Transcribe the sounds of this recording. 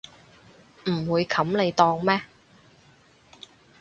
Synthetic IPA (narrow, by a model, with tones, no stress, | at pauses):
m̩˨˩wuː˨˧jkʰɐ˨˥mne˨˧jt̪ɔː˧ŋmɛː˥